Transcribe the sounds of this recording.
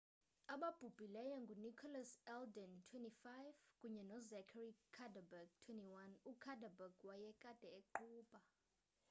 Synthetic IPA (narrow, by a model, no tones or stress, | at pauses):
aɓab̥ʱub̥ʱilɛjɔŋɡʱunikʰɔlasɛldɛntʰwɛntifajvkʼuɲɛnɔzɛkʰarikʰadabaɡtʰwɛntiwanukʰadʱabaɡwajɛkʼad̥ʱɛeǃuːɓʼa